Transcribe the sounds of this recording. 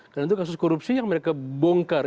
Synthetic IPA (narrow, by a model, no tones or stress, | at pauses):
kaɾnant̪ukas̬uskɔɾupsijaŋməɾekabɔŋkar